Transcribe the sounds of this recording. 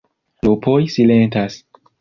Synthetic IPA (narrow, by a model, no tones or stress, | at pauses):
lupʰojsilentas